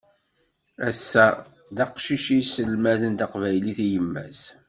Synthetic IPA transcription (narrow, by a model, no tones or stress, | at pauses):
æsːæ | ðɑqʃiʃisəlmæðənt̪ɑqvæjliθijəmːæ̰s